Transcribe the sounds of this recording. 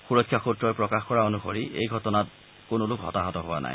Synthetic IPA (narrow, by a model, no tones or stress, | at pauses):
xuɹɔkʰːjaxutɹɔjpɹɔkaxkɔɹaonuxoɹiʔḛjɡʱɔtɔnat̚ | konolukɦɔ̰taɦɔtɔɦoa̰nʔa̰j